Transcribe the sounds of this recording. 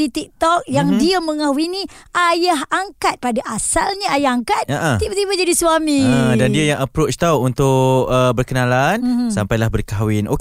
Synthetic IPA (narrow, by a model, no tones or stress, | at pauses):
it̪ik̚t̪ɔk̚jaŋdiaməŋahuiniʔajaɦaŋkat̪̚padaʔasalɲaajahaŋkat̪̚aʔətibat̪ibad͡ʒadisuamĩədandiajaŋapɾot͡ʃt̪awunt̪ʊʔəbərkənalansampajlahbərkawɪno̰k